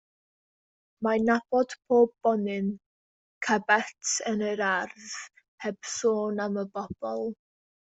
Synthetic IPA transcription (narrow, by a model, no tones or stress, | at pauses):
manab̥ɔd̥pʰoːbːɔnɪn | kʰabɛtʰənəɾarð | hɛb̥soːnaməbɔb̥ɔlˠ